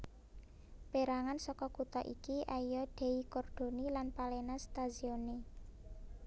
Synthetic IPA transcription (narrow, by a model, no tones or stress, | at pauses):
peɾaŋansɔkɔkut̪ɔʔikiʔajɔɖ̪̥ɛ̤ikɔrd̪̥o̤nilanpalenast̪azione